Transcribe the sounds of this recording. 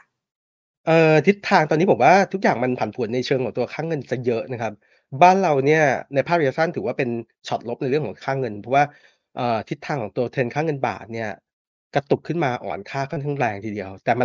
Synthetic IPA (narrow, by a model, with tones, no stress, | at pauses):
ʔɤː˨˩t̪ʰi˦˥t̪ʰːaː˧ŋt̪ɔː˧nːiː˦˥pʰo˩˦waː˥˩t̪ʰu˦˥k̚jaː˨˩ŋma˧npʰa˨˩˦npʰu˩˦nːa˧jt͡ɕʰɤː˧ŋkʰɔː˩˦ŋt̪u˧ɐkʰaː˥˩ŋɤ˧nt͡ɕa˨˩jɤ˦˥ʔna˦˥kʰa˦˥p̚ | baː˥˩nɾa˧wni˥˩ɐna˧jpʰaː˥˩ɾʰjaː˧˩sʰa˥˩nt̪ʰɯː˩˦waː˥˩pe˧n | t͡ɕʰɔ˨˩t̪̚lo˦˥p̚na˧jɾɯ˥˩əŋkʰɔː˩˦kʰaː˥˩ŋɤ˧npʰɔ˦˥waː˥˩ | ʔɤː˨˩t̪ʰi˦˥t̪ʰːaː˧ŋkʰɔː˩˦ŋt̪u˧ɐt̪ʰe˧nkʰaː˥˩ŋɤ˧nba̰ː˨˩t̪̚ni˥˩ɐ | ka˧t̪u˨˩kʰːɯ˥˩nmaː˧ʔɔ̰ː˨˩nkʰaː˥˩kʰa˥˩nt̪ʰa˥˩ɾɛː˧ŋt̪ʰiː˧di˧ɐwt̪ɛː˨˩ma˧